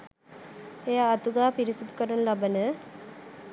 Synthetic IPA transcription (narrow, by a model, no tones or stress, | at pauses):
ejaːt̪uɡaːpiɾisud̪ukəɾənəlabənə